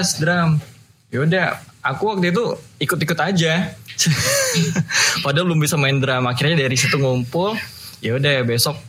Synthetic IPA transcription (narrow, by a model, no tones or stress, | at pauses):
sdɾam | jaudaakuwak̚t̪it̪̬uikʊt̪ikʊt̪ad͡ʒas | padabəlʊmbisamaɪndɾamakirɲadaɾisit̪uŋumpʊl | jaudabesɔk̚